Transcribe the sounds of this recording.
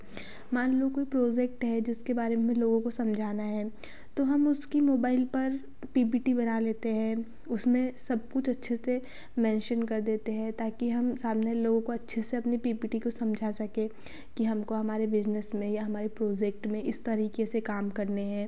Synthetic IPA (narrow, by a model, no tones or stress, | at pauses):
maːnlokoːipɾoːd͡ʒɛk̚ʈɦɛd͡ʒɪskebaːɾemẽloːɡõkosɐ̃md͡ʒʱaːnaɦɛː | t̪oɦɐmʊskimoːbaːɪlpɐɾ | piːpiːʈibɐnaleːt̪eɦɛ̃ | ʊsmẽsɐb̚kʊt͡ʃʰɐtːʃʰese | mɛ̃ːnʃənkɐɾd̪eːt̪eɦɛ̃t̪aːkiɦɐmsaːmneloːɡõkoɐtːʃʰeseɐpnipiːbiːʈikosɐ̃md͡ʒʱasɐkẽ | kiɦɐmkoɦɐmaːɾebɪd͡ʒnəsmẽjaɦɐmaːɾepɾoːd͡ʒɛk̚ʈmẽʔɪst̪ɐɾiːkesekaːmkɐɾneɦɛ̃ː